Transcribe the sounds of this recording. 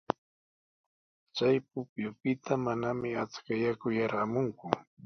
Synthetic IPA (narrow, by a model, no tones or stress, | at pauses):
t͡sajp̚ʊpjʊpɪt̪ʰamanamɪat͡skajakʊjaɾamʊŋkʊ